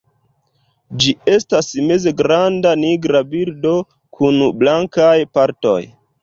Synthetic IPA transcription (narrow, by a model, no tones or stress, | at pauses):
d͡ʒie̞stasmezeɡɾandaniɡɾabiɾdo̞ | kʰunblaŋkajpaɾto̞̰j